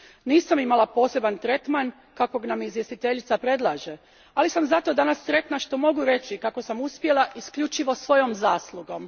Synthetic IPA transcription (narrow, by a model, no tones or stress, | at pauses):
niːsamimalapo̞ːse̞bant̪ɾe̞t̪man | kako̞ɡanamizʋje̞st̪it̪e̞ʎit̪sapɾe̞d̪lˠaːʒe̞ | alisamzat̪o̞d̪anast̪ɾe̞t̪naʃt̪o̞mo̞ɡuɾe̞t͡ʃikako̞samuspje̞lˠaʔiskʎut͡ʃiʋo̞sʋo̞jo̞mzaːslˠuɡo̞m